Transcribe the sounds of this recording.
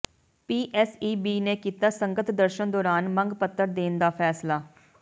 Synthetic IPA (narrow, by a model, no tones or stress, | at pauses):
piːʔɛːsiːbiːneːkiːt̪aːsəŋɡət̪d̪əɾʃənd̪ɔːɾaːnməŋɡpət̪ːəɾd̪eːnd̪aːpʰɛːslaː